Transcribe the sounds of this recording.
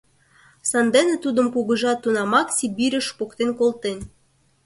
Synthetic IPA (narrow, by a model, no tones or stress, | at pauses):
sɑnd̪enĕt̪ud̪ə̆mkuɣə̆ʒɑt̪ːunɑmɑksibiɾʲə̆ʃpokt̪enkolt̪en